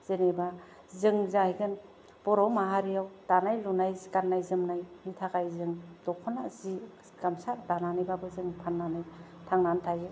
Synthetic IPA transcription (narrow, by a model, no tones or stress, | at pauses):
z̥eneba | zɯŋzajɡɯn | b̥ɔɾɔmaɦaɾijawd̥anajlunajzikanːajzɯmnajnitʰakajzɯŋd̥ɔkʰɔnazi | ɡ̥amsaɾdananajbabɯzɯŋpʰanːanajtʰaŋnantʰajɯ